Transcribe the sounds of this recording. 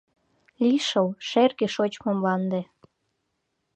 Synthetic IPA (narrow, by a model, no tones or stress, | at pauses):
lʲiʃəlʃerɣeʃot͡ɕmomlɑnd̪ĕ